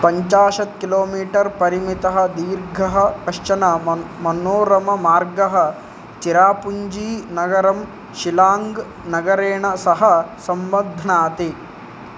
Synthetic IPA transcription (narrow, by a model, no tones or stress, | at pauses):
pɐɲt͡ʃaːʃɐt̪kiloːmiːʈɐɾpɐɾimit̪ɐɦɐ̆d̪iːɾɡʱɐɦɐkɐʂt͡ʃɐnɐmɐnoːɾɐmɐmaːɾɡɐɦɐ̆ | t͡ʃiɾaːpuɲd͡ʒiːnɐɡɐɾɐm | ʃilaːŋɡ | nɐɡɐɾeːɳɐsɐɦɐsɐmbɐnd̪ʱɐnaːt̪i